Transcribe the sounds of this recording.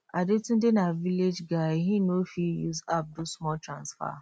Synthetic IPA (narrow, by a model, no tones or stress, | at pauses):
adetũn̩denaviled͡ʒɡaɦĩnofijṵzap̚dosmɔltɾãnsfa̰